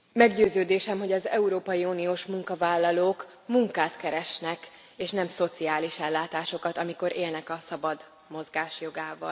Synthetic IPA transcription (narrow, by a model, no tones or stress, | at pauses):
mɛɡɟøːzøːd̪eːʃɛmɦo̞ɟɒzɛ̰uɾoːpɒjiuːnioːʃmuŋkɒvaːlːɒloːk | muŋkaːt̪kɛɾɛʃnɛk | eːʃnɛmso̞t̪siaːliʃɛlːaːt̪aːʃo̞kɒt̪ɒmiko̞ɾʔeːlnɛkɒsɒbɒd̪ | mo̞zɡaːʃjo̞ɡaːvɒ̰l